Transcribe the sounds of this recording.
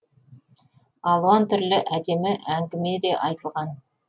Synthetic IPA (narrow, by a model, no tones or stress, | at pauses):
ɑlˠuwɑnt̪ʰʏɾlɪʔæd̪e̞mɪʔæŋɡʲɪme̞d̪e̞ʔɑjt̪əlˠʁɑn